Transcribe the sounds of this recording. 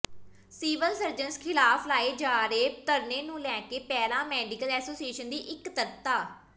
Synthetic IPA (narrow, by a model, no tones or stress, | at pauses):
siːʋəlsəɾd͡ʒənskʰɪlaːfʰlaːeːd͡ʒaːɾeːt̪əɾneːnũːlɛ̃ːkeːpɛːlãːmɛːɖɪkəlɛːsoːsieːʃənd̪iːʔɪkt̪əɾt̪aː